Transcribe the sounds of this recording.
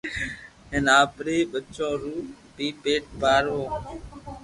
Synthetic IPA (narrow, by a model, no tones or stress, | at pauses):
eːnaːpɾeːɓət͡ʃːõːɾuː | piːpeːʈ̚baːɾʋõː